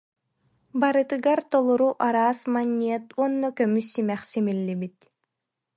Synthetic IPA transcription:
baɾɯt̪ɯɡaɾt̪ɔlˠuɾuʔaɾaːsmanʲːiɛt̪uɔnːɔkœmysːimɛχsimilʲːibit̪̚

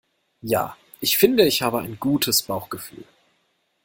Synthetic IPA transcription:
ja̰ː | ʔɪçfɪndəɪçhaːbəa̰ɪnɡuːtʰəsb̥aʊxɡ̥əfy̰ːl

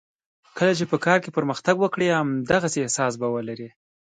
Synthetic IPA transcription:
kəlat͡ʃepəkɑɾkepəɾməxt̪aɡwəkɽeamd̪aɣaseːhsɑs̬bawəlaɾi

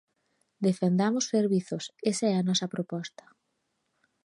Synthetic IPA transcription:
d̪efend̪amʊsseɾβiθʊsesaɛɐnɔsɐpɾopɔst̪ɐ̥

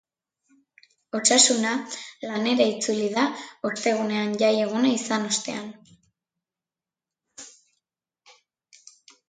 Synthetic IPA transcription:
o̞sasunalane̞ɾait͡suliðaost̪e̞ɣ̞une̞anʝaje̞ɣ̞unaisano̞st̪e̞̰an

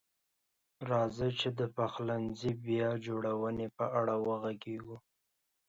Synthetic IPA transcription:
ɾɑzət͡ʃed̪əpaxlanzibjɑd͡ʒoɽawənepəʔaɽawəɣaɡeɡu

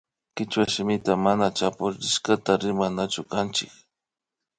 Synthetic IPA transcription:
kɪt͡ʃwaʃɪmɪt̪amanat͡ʃapʊɾɾɪʃkat̪aɾɪmanat͡ʃʊkant͡ʃɪk

